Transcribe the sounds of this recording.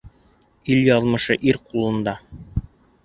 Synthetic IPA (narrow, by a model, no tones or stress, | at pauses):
iljɑlˠmɤ̆ʃɤʔiɾqulˠɤ̆nd̪ɑ